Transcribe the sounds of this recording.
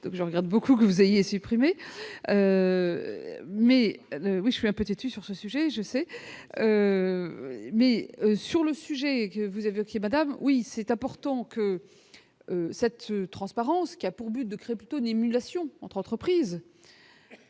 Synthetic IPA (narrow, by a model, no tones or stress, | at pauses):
d̪ɔ̃kʒəʁəɡaʁd̪bokukəvuzejesypχimeø | mɛøwiʒəsɥiɛ̃pøt̪et̪ysyʁsəsyʒɛʒəsɛø | mɛøsyʁləsyʒɛkəvuzaveokʲeemad̪amwisɛt̪ɛ̃pɔʁt̪ɑ̃kə | øsɛt̪t̪ːχɑ̃spaʁɑ̃skʲiapuʁbyt̪̚d̪əkχeeplyt̪oynemylasjɔ̃ɑ̃t̪χɑ̃t̪χəpχiːz